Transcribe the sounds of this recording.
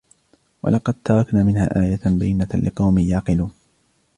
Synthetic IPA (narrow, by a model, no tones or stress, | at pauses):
wɑ̰lɑqɑd̪̚t̪ʰɑɾˤɑknaːmɪnha̰ːʔaːjabajːɪnalɪqɑwmɪjɑːqɨluːn